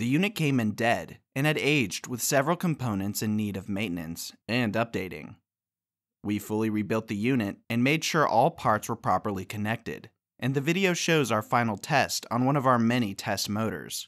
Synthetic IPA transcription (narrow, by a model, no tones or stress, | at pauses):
ðɨjʉnɨt̚kʰẽɪ̃mɨ̃ndɛɾʔɨ̃nɨɾeɪd͡ʒd̚wɨð̥sɛvɹl̩ˠkʰə̃m̩pʰõʊ̃nɨ̃ntsɨ̃nːiɾʌvmẽɪ̃nɨ̰̃nsɨ̃nʌp̚d̥eɪɾɪ̰̃ŋ | wifʊlˠiɹibɪlˠt̪̚ðɨjʉnɨɾɨ̃nmeɪd̥ʃʊɹʔɔlˠpʰɑɹtswə˞pʰɹ̥ɑ̰pə˞lˠikʰɨnɛk̚tɪ̰ɾ | ʔɨ̃nðɨvɪɾioʊʃoʊzaʊə˞fãɪ̃nl̩ˠtʰɛstn̩wʌ̃ñʌvaʊə˞mɛɾ̃itʰɛst̚moʊɾə̰˞z̥